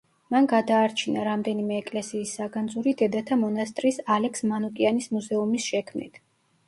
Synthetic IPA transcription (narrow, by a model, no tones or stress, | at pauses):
manɡad̪aːɾt͡ʃʰinaɾamd̪ɛnimɛːkʼlɛsiːsːaɡand̪zuɾid̪ɛd̪at̪ʰamɔnast̪ʼɾisalɛksmanukʼianismuzɛumisʃɛkʰmnḭt̪ʰ